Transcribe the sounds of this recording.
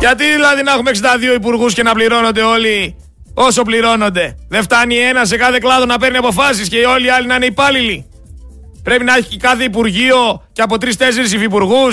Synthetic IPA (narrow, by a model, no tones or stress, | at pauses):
ʝɐt̪iðilɐðinɐexumeksɐnd̪ɐðio̞ip̬uɾɣusce̞nɐpliɾo̞no̞nd̪e̞o̞li | o̞so̞pliɾo̞no̞nd̪e̞ðe̞ft̪ɐnie̞nɐs̬e̞kɐθe̞klɐðo̞nɐpe̞ɾniɐpo̞fɐsisce̞io̞liɐlinɐineipɐlili | pɾe̞pinɐeçicekɐθe̞ipuɾʝio̞ceɐp̬o̞t̪ɾist̪e̞se̞ɾis̬ifipuɾɣus